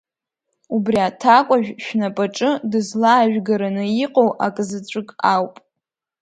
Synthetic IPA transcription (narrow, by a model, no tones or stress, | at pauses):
ubriatʰakʷʼaʒᶣʃᶣnapʼaʈ͡ʂʼɨdɨzlaːʒᶣɡaɾanɨjiqʼowʔakʼzɨt͡ɕʷʼɨkʼawpʼ